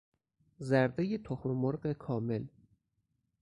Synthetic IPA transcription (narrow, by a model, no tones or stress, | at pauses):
zæɾd̪ejet̪ʰoxmemoɾɢekʰɒːmel